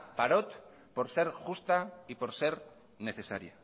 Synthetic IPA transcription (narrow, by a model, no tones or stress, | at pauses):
paɾot̪ | po̞ɾse̞ɾxust̪aipo̞ɾse̞ɾ | ne̞θe̞sa̰ɾja